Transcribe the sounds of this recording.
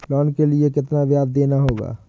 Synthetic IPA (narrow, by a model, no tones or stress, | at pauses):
lɔːnkeliekɪt̪naʋjaːd̪̚ːeːnaɦoːɡa̰ː